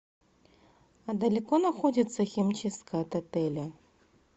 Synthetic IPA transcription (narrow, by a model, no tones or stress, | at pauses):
ɐd̪ɐlʲikɔnaxɔd͡zʲit̪sːɐxʲimʲt͡ʃiskɐjɐt̪ɐt̪ɛlʲɐ